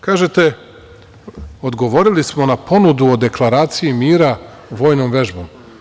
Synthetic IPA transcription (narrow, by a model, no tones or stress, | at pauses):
kaːʒet̪e | o̞d̪ɡo̞ʋo̞ɾilismo̞napo̞nud̪uod̪e̞klˠaɾaːt̪sijimiːɾa | ʋo̞ːjnomʋe̞ʒbo̞m